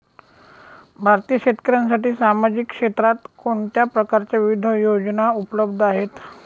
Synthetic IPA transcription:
bʱaɾt̪ijəɕet̪kəɾjans̬aʈiːsamad͡ʑikʂet̪ɾat̪koɳʈ̪japɾəkaɾt͡ɕjaʋiʋid̪ʱəjod͡znaupələbd̪ʱaɦet̪

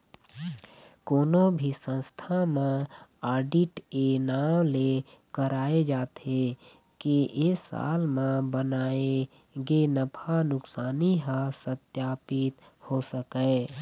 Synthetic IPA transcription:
koːnobʱisə̃nst̪ʰamãaːɾɖiʈenaːmle | kəɾaːed͡ʒaːt̪e | keʔesa̰ːlmãbənaːe | ɡenəpʰanʊksaːniɦasət̪jaːpɪt̪ | hosəkɛː

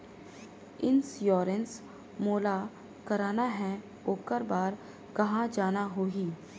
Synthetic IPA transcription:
ɪnsjɔːɾəns | moːla | kɐɾaːnaɦɛ̃ | oːkəɾbaːɾ | kɐɦãd͡ʒaːnaɦoːɡiː

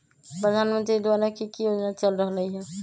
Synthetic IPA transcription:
pɾəd̪ʱanmənt̪ɾid̪waɾakikijod͡ʒnat͡ʃəlɾəɦələjɦɛ̃

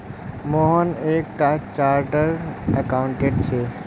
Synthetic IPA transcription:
moɦənek̚ʈat͡ʃaɾʈəɾəkaʊɳʈeʈt͡ʃʰe

